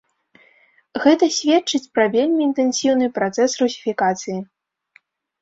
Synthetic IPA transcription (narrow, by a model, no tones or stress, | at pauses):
ɣɛt̪ɐsʲvʲɛt͡ʂɨt͡sʲpɾɐvʲelʲmʲiːnt̪ɛnsʲiwnɨpɾat̪sɛsrusʲifʲikat̪sɨji